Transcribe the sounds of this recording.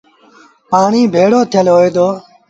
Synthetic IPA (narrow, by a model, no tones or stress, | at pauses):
paːɳiːbʱeːɽoːt̪ʰɪjəlɦoːeːd̪oː